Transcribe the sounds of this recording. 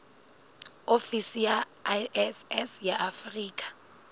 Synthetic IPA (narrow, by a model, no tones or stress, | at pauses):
ofisija | ɛsɛsjaʔafriːkʼḁ